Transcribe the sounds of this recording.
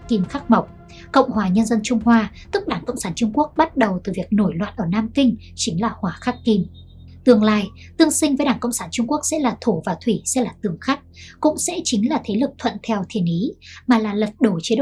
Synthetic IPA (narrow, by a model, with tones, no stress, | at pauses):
ki˧mxaː˦˥k̚ma˨˩wk͡p̚ | kə̰˧˨wŋ͡mhwaː˨˩ɲə˧nzə˧nt͡ɕʊ˧ŋ͡mhwaː˧t̪ɨ˦˥k̚ɗaː˧˩ŋkə̰˧˨wŋ͡msaː˧˩nt͡ɕʊ˧ŋ͡mku˦˥ək̚ɓa˦˥t̚ɗə˨˩wt̪ɨ˨˩vi˨˩ək̚no˧˩jlwa̰ː˧˨nʔəː˧˩naː˧mkï˧ŋ̟ | t͡ɕï˨˦ŋ̟laː˨˩hwaː˨˩˦xaː˦˥kki˧m | t̪ɨ˧˩əŋlaː˧˨j | t̪ɨ˧əŋsï˧ŋ̟vəː˨˦jɗaː˧˩ŋkə̰˧˨wŋ͡msaː˧˩nt͡ɕʊ˧ŋ͡mku˦˥ək̚sɛ̰˧˥laː˨˩t̪ʰo˧˩vaː˨˩t̪ʰwi˧˩sɛ̰˧˥laː˨˩t̪ɨ˨˧˩əŋxa˦˥k̚kʊ̰˧˥ŋ͡msɛ̰˧˥t͡ɕï˨˦ŋ̟laː˨˩t̪ʰe˨˦lɨ˨˩k̚t̪ʰwə̰˧˨nt̪ʰɛ˧wt̪ʰi˨˧˩ənʔi˨˦maː˨˩laː˨˩lə˨˩t̚ɗo˧˩t͡ɕi˨˦˧